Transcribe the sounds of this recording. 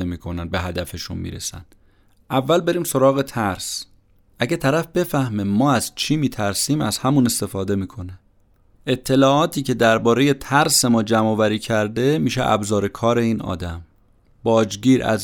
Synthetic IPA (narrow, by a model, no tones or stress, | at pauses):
emiːkʰo̞nænbe̞ɦæd̪æfeʃṵnmḭːɾḛsæ̰nd̪̥ | ʔævːælbe̞ɾiːmso̞ɾɒːɣet̪ʰæɾs | ʔæɟæt̪ʰæɾæfb̥e̞fæhmemɒːæz̥t͡ʃʰiːmiːt̪ʰæɾsiːmæzhæmune̞st̪e̞fɒːd̪e̞miːkʰo̞ne | ʔe̞t̪ʰːe̞lɒːʔɒːt̪ʰiːce̞d̪æɾbɒːɾe̞je̞t̪ʰæɾse̞mɒːd͡ʒæmɒːvæɾiːcʰæɾd̪e̞miːʃeʔæ̰bzɒːɾe̞kʰɒːɾe̞iːnɒ̰ːd̪æm | b̥ɒːd͡ʒɟiːɾʔæ̰z